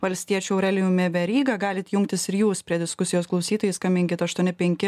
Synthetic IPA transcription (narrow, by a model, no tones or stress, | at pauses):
ʋɐlʲsʲt̪ʲiɛt͡ʃʲuɛʊɾʲɛlʲɪjuːmʲɛbʲɛɾʲiːɡɐɡɑːlʲɪt̪jʊŋkt̪ʲɪsɪɾjuːspʲɾʲiɛd̪ʲɪskʊsʲɪjoːsklˠɒʊsʲiːt̪oːjɪskɐmʲɪŋʲkʲɪt̪ɐʃt̪uɔnʲɪpʲɛŋʲkʲɪ